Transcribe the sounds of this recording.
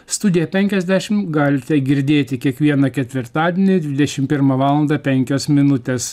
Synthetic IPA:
st̪ʊd̪ʲɪjɛpʲɛŋʲkʲɛzʲd̪ʲæʃʲɪmɡɑːlʲɪt̪ʲɛɡʲɪɾʲd̪ʲeːt̪ʲɪkʲiɛkʋʲiɛnɐkʲɛt̪ʲʋʲɪɾt̪ɑːd̪ʲiɛnʲɪd̪ʲʋʲɪd̪ʲɛʃʲɪmpʲɪɾmɐʋɑːlˠɐnd̪ɐpʲɛŋʲkʲoːsmʲɪnʊt̪ʲeːs

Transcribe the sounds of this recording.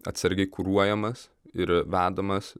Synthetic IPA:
ɐ̰t̪ʲsɐɾʲɡʲɛɪkuɾuɔjɛmɐs | ɪɾʋʲæːd̪ɐmɐs

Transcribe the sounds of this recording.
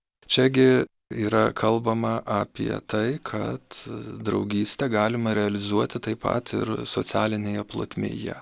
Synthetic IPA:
t͡ʃʲɛɡʲɪ | iːɾɐkʰɐlˠbɐmɐʔɑːpʲiɛ̰t̪ɐɪkʰɐt̪d̪ɾɒʊɡʲiːsʲt̪ʲɛɡɑːlʲɪmɐɾʲɛɐlʲɪzuɔt̪ʲɪt̪ɐɪpɐ̰t̪ɪ̰ɾsosʲæːlʲɪnʲeːjɛplˠo̰t̪ʲmʲḛːjɛ̰

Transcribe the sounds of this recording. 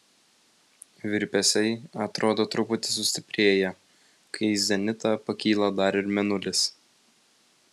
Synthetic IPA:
ʋʲɪɾʲpʲɛsʲɛɪɐt̪ɾʔoːd̪oːt̪ɾʊpʊt̪ʲɪsʊsʲt̪ʲɪpʲɾʲeːjɛ | kɐɪzʲɛnʲɪt̪ɐpɐkʲiːlˠɐd̪ɐɾɪɾmʲɛnʊlʲɪs

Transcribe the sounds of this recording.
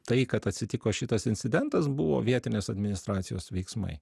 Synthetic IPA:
t̪ɐɪkɐt̪ɐt̪ʲsʲɪt̪ʲɪkoːʃʲɪt̪ɐsɪnʲt̪ʲɪd̪ʲɛnt̪ɐsbʊʋo̰ːʋʲiɛt̪ʲɪnʲeːsɐd̪ʲmʲɪnʲɪst̪ɾɑːt̪sʲɪjoːsʋʲɛɪksmɐ̰ɪ

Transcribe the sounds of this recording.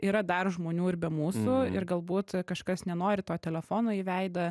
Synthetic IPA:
iːɾɐd̪ɐrʒmoːnʲuːɪɾbʲɛmuːsʊɪ̰ɾɡɐlˠbuːt̪kɐʃkɐsnʲɛnoːɾʲɪt̪oːt̪ʲɛlʲɛfoːnoːiːʋʲɛɪd̪ɐ

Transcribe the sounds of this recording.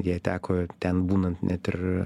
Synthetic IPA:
dʲeːjɛt̪ʲæːkoːt̪ʲɛnbuːnɐnt̪nʲɛt̪ʲɪr

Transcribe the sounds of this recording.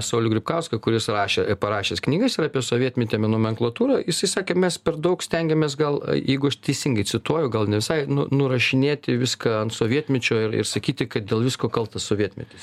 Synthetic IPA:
sɐʊlʲʊɡʲɾʲɪpkɐʊskɐkʊɾʲɪsrɑːʃʲeːpɐɾɑːʃʲeːsknʲiːɡɐɪsɪɾɑːpʲiɛsoːʋʲiɛt̪ʲmʲɛt̪ʲeːmʲɛnoːmʲɛŋklˠɐːt̪uːɾɑjɪsɐɪsɑːkʲeːmʲɛspʲɛɾd̪ɐʊksʲt̪ʲɛŋʲɡʲɛmʲeːs̬ɡɐl̰ˠjɛɪɡʊɐʃt̪ʲɛɪsʲɪŋɡɐɪt͡sʲɪt̪uɔjɛʊɡɐlˠnʲɛʋʲɪsɐɪnʊ̰nʊɾɐʃʲɪnʲeːt̪ʲɪʋʲɪskɐɐnt̪soːʋʲiɛt̪ʲmʲɛt͡ʃʲoːɪrɪ̰ɾsɐkʲiːt̪ʲɪkɐt̪̚d̪ʲeːlˠʋʲɪskoːkɐlˠt̪ɐsoːʋʲiɛt̪ʲmʲɛ̰t̪ʲes

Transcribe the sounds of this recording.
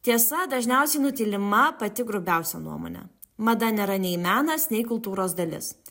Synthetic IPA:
t̪ʲiɛsɐd̪ɐʒʲnʲɛˑʊsʲɛɪnʊt̪ʲilʲɪmɐpɐt̪ʲɪɡɾʊbʲɛˑʊsʲɛ̰nṵɔmo̰ːnʲɛ̰ | mɐd̪ɐnʲɛːɾɐnʲɛɪmʲæːnɐsnʲɛɪkʊlˠt̪uːɾoːsd̪ɐlʲɪ̰s

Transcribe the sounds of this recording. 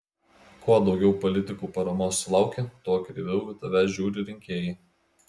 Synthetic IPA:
kuɔd̪ɒʊɡʲɛʊpɔlʲɪt̪ʲɪkuːpɐɾɐmoːslˠɑˑʊkʲet̪oɔkʲɾʲɪʋʲɛʊʋʲɪt̪ɐʋʲæʒʲuːɾʲɪɾʲɪŋʲkʲeːjɛ

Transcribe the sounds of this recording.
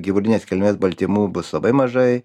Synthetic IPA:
ɡʲiʋʊːd̪ʲɪnʲeːskʲɛlʲmʲeːsbɐlʲt̪ʲimuːbʊslˠɐbɐɪmɐʒɐɪ

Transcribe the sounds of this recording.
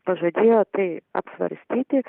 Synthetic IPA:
pɐʒɐd̪ʲeːjoːt̪ɐɪɐ̰psʋɐ̰ɾʲsʲt̪ʲiːt̪ʲɪ

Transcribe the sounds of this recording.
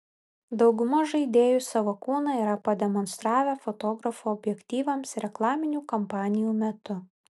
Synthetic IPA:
d̪ɒʊɡʊmoʒɐɪd̪ʲeːjusɐʋokuːnɐiːɾɐpɐd̪ʲɛmɔnst̪ɾɑːʋʲɛfɔt̪oːɡɾɐfuɔbʲjɛkʲt̪ʲiːʋɐmsɾʲɛklˠɑːmʲɪnʲuːkɐmpɑːnʲɪjuːmʲɛt̪ʊ

